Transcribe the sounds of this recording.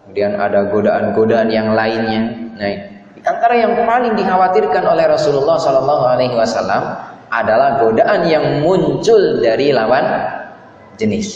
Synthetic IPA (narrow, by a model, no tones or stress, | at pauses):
kəmudiana̰daɡodaʔanɡodaanjaŋlaɪnɲanai | diʔant̪aɾajaŋpalɪŋdiɦawat̪ɪrkanolɛhɾɔsululːɑhsɔlɔlːɑɦualajɦiwasalːamʔadalahɡodaʔanjaŋmuɲt͡ʃʊldaɾilawan | d͡ʒənɪs